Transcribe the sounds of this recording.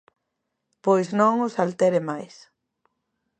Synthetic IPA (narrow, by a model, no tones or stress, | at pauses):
pojsnõŋʊsalt̪ɛɾɪmajs